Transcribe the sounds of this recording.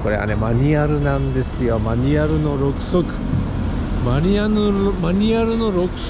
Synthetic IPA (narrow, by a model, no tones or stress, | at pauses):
ko̞ɾe̞βa̰ne̞maɲ̟iaɾɯ̟nãnd̪e̞sɨjo̞maɲ̟iaɾɯ̟no̞ɾo̞kɯ̟̥sokɯ̟̥ | maɲianɯmaɲ̟iaɾɯ̟no̞ɾo̞kɯ̥